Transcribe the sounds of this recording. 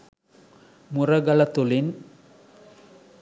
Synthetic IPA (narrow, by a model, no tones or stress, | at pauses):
mʊrɐɡɐlɐt̪ːʊlɪn